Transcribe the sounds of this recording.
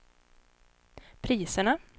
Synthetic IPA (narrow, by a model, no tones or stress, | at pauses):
pʰɾiːsəɳa